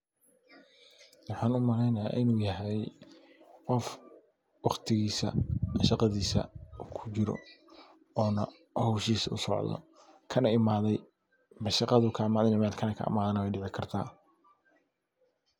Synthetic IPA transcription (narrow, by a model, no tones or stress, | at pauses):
wɑħɑːnʊmɐlɛjnɐja̰ːʔɪnuːjɐɦɛj | qɔf | wɑχt̪ʰɪɣiːsɐ̰ʃɑqɑðiːsɐ̰ukʰʊt͡ʃɪɾɔ̰ | ɔːnɐ | hɔːʃiːsʊ̰sɔ̰ʕðɔ̰ | kʰɐnɐɪmaːðɛj | mɐʃɑqɑðʊkʰɐmaːðɐnɪmaːd̪kʰɐnɐkʰɐ̰ʔːmaːðɐnɐwɛjɖɪʕɪkʰɐrt̪ʰa̰ː